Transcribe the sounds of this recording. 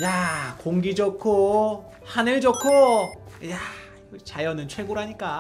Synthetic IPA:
jakoŋɡid͡ʑokʰo | hanɯɭd͡ʑokʰo | ja | t͡ɕajʌnɯnt͡ɕʰweɡoɾɦaɲik͈a

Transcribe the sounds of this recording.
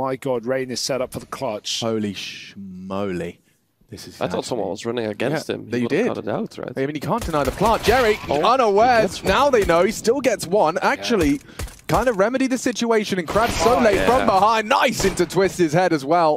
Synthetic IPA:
maɪɡɑd̚ɹẽɪ̃nɨz̥sɛɾʌpfəðəkʰl̥ʌt͡ʃhoʊlˠiʃmoʊlḭ | ðɪsɨz̥aɪθɔ̰ˑtsʌ̃mwʌ̰̃nwʌ̰zɹʌnɪ̰̃ŋɨ̰ɡɛ̰̃njst̚ɪ̰̃mðdɪdɛ̰θɹa̰aɪmĩnjɨkʰæ̃ˑnd̥ɨnaɪðəpʰl̥ɑ̃ˑnd̥ʒ̥ɛɹiʌ̃nəwɛɹznaʊðeɪnoʊistɪlˠɡɛtswʌ̃nak̚t͡ʃul̩ˠi | kʰãɪ̃ndəɹɛmɨɾiðɨsɪt͡ʃueɪʃɨ̃nɨ̃nkʰɹ̥æb̥soʊleɪfɹʌ̃mðəɦaɪnaɪsɪ̃ntʉtʰw̥ɪstɨz̥hɛɾɨzwɛlˠ

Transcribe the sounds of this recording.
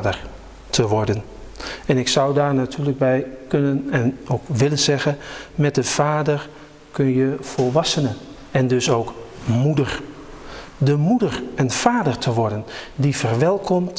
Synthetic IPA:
dər | tʰəʋɔɹdən | ɛnɪksʌwdaːɹnatʰyːləɡ̚bɛjkønənɛnowkʋɪlənz̥ɛɣəmɛt̚dəv̥aːdər | kønjəfɔlˠʋɑsənə | ɛndøsowkmudər | dəmudərɛnv̥aːdərtʰəʋɔɹdəndifərʋɛlˠkʰɔmt

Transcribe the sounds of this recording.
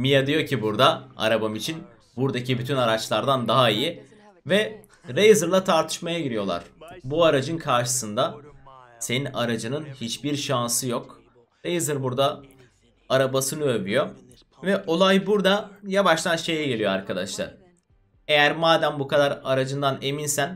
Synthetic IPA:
mijad̪ijo̞cʰibuɾd̪aa̰ɾabamit͡ʃʰin | buɾd̪acibyt̪ʰynaɾat͡ʃlˠaɾd̪and̪aɦaiji | vɛ | ɾejzɯɾlˠat̪ʰaɾt̪ʰɯ̥ʃmajaɟiɾijo̞lˠa̰ɾ̥buaɾad͡ʒɯnkʰaɾʃɯ̥sɯnd̪a | se̞ninaɾad͡ʒɯnɯnhit͡ʃbiɾʃansɯjo̞k | ɾejzɯɾbuɾd̪aː | ɾabasɯnɯøbyjo̞ | vɛʔo̞lˠajbuɾd̪ajabaʃt̪ʰanʃe̞jɛɟe̞lijoaɾkʰad̪a̰ʃlˠa̰ɾ | e̞jæɾmaːd̪æmbukʰad̪aɾaɾad͡ʒɯnd̪ane̞minsæn

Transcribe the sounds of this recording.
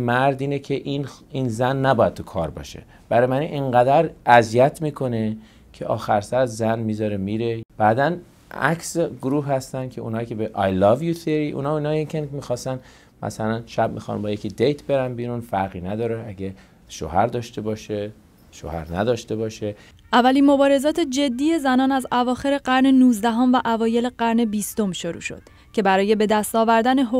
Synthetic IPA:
mæɾd̪iːnecʰeʔininzænːæbɒːjæd̪̚t̪ukʰɒːɾbɒ̰ʃḛ | b̥æɾjmæniʔeɴɢæd̪æɾæzijæt̪ʰmiːkʰo̞ne | cʰeʔɒːxæɾsæɾzænmiːzɒːɾemiːɾe̞b̥æːd̪æn | æ̰kʰseɡɾuːɦhæst̪æn̚cʰe̞ṵnhɒːjkʰebeʔɑjlɒvjuθiɾiʔṵːnɒiːnɒːjekʲʰenmiːxɒːst̪æn | mʔæ̰sælænʃæb̚mḭxɒ̰nbɒːjecʰid̪ejt̪ʰbe̞ɾænbiːɾunfæɾɣiːnæd̪ɒːɾeæɟe | ʃo̰hæɾd̪ɒːʃt̪e̞bɒːʃe | ʃo̰ːhæ̰ɾnæ̰d̪ɒːʃt̪e̞bɒːʃe | ʔævːæliːnmo̞bɒːɾe̞zɒːt̪ʰed͡ʒe̞d̪ːiːje̞zænɒːnæzævɒːxe̞ɾe̞ɢæɾne̞nuːzd̪æɦomvæʔævɒːje̞leɢ̥æɾne̞biːst̪o̞mʃoɾṵːʃo̞̰d̪̥ | cʰe̞bæɾɒːje̞be̞d̪æst̪ɒːvæɾd̪æne̞ɦo

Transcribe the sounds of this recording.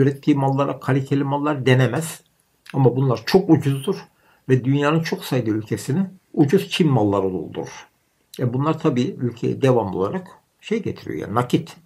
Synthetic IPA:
yɾɛt̪ʰːiːmalˠːaɾakʰalʲicʰelʲimalˠːaɾd̪enemæz̥ | amabunlˠaɾt͡ʃʰo̞kud͡ʒuzd̪uɾ | vɛd̪ynjaːnɯnt͡ʃʰo̞ksajd̪ɯylʲcʰe̞sinɪud͡ʒuz̥t͡ʃʰimmalˠːaɾɯd̪o̰lˠd̪ṵɾɾ̥ | vɛbunlˠaɾt̪ʰabiːylʲcʰejɛ̰d̪evamo̞̰lˠaɾak | ʃe̞jɟḛt̪ʰiɾḭo̰ja̰nacʰit̪

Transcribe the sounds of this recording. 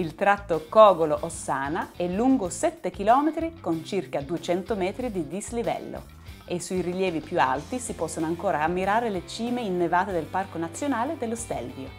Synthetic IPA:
ilt̪ɾat̪ːokɔːɡoloʔosːaːnaɛlːuŋɡosɛt̪ːekilɔːmet̪ɾikont͡ʃirkad̪uet͡ʃɛnt̪omɛːt̪ɾid̪id̪islivɛ̰lːo̰ | esːuiriljɛːvipjua̰lt̪isipɔsːonoaŋkoːɾaːmːiɾaːɾelet͡ʃiːmeinːevaːt̪ed̪elparkonat̪sːjonaːled̪elːost̪ɛ̰lvjo

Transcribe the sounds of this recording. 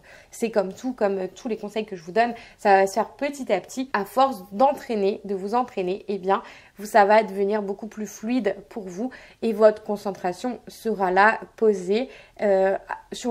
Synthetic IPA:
sɛkɔmt̪ʰukɔmt̪ʰulekɔ̃sɛjkəʒəvud̪ɔnsavasə̥fɛʁpət̪it̪apt̪ʰiafɔʁsd̪ɑ̃t̪χened̪əvuzɑ̃t̪χeneʔebjɛ̃ | savad̪əvəniʁbokuplyflɥid̪pʰuʁvuevɔt̪χə̥kɔ̃sɑ̃t̪χasjɔ̃səʁalapoze | øsy

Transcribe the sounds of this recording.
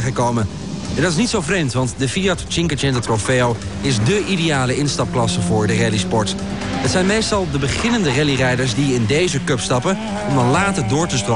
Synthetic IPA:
χəkowmə | ɛndɑtɪs̬nitsowfrejmtʋɑntdəfiatt͡ʃɪŋkət͡ʃɛndətrofeow | ɪzdəʔidejaːləɪnstɑp̚klɑsəvʊːɹdərɛlispɔɹt | ɦətsɛjnmejstɑlˠdəbəχɪnəndərɛlirɛjdəɹzdiɪndejzəkɵpstɑpə | ɔmdɑnlaːtəɹdʊːɹtəstro

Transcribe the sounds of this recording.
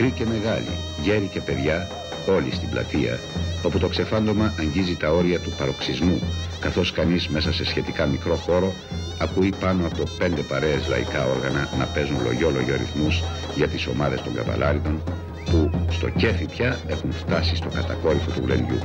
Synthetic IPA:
ɾice̞me̞ɣɐlḭ | ʝe̞ɾice̞pe̞ðʝɐ | o̞list̪iblɐ̰t̪iɐ̰ | o̞put̪o̞kse̞fɐnd̪o̞mɐʔɐɲɟizit̪ɐo̞ɾiɐt̪upɐɾo̞ksizmukɐθo̞skɐnizme̞sɐse̞sçe̞t̪ikɐmikɾo̞xo̞ɾo̞ | ɐkuipɐno̞ɐpo̞pe̞nd̪e̞pɐɾe̞ezlɐ̰ḭkɐo̞ɾɣɐnɐnɐpe̞zunlo̞̰ʝo̞lo̞̰ʝoɐɾḭθmuz | ʝɐt̪iso̞̰mɐðe̞st̪o̞ŋɡɐ̰t̪ɐ̰lɐɾit̪o̞n | pust̪o̞̰ce̞fipçɐe̞xunft̪ɐsist̪o̞kɐt̪ɐko̞ɾifot̪uvlḛnd̪ʝṵ

